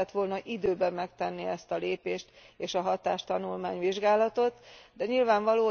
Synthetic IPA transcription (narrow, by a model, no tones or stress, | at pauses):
ɛt̪ʋo̞lnɒʔid̪øːbɛmːɛkt̪ɛnːiɛst̪ɒleːpeːʃt̪ | eːʃɒɦɒt̪aːʃt̪ɒnulmaːɲʋiʒɡaːlɒt̪o̞t̪d̪ɛɲilvaːɱvɒloː